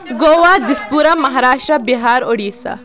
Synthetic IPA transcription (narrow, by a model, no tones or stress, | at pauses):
ɡoːʋad̪ispuːɾɐmɐɦaːɾaːʃʈɾɐbiɦaːɾoɽiːsa̰